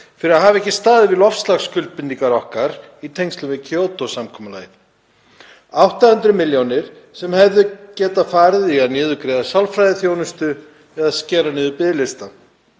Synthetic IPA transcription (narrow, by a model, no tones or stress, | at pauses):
fɪɾɪɾaðɦaːvaɛhcɪst̪aːðɪvɪðlɔfst̪laxskʏlt̪̚pɪniŋkaɾɔhkaɾ | it̪ʰejŋst̪lʏmvɪðcʰoːwt̪osamkʰɔːmala̰ːjθ | awht̪ahʏnt̪ɾʏmɪljownɪɾ̥ | sɛmhɛvðʏcɛːt̪afaːɾɪðiaðnjɛːðʏkɾɛːðasawlfɾajðɪθjownʏst̪ʏ | ɛðascɛːɾanɪːðʏpɪðlɪst̪a